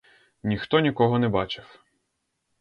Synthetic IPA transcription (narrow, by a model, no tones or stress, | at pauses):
nʲixt̪ɔnʲikɔɦɔnɛbɑt͡ʃɪw